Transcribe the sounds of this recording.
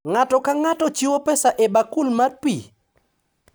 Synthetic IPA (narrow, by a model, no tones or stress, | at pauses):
ŋatɔkaŋatɔt͡ʃiwopɛsaʔebakulmarpi